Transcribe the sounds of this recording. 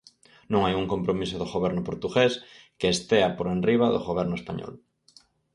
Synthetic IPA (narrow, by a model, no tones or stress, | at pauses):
nõŋajuŋkõmpɾomisʊðʊɣoβɛɾnʊpoɾt̪uɣes | keːst̪eapoɾenriβ̞aðoɣoβ̞ɛɾnʊespaɲɔ̰l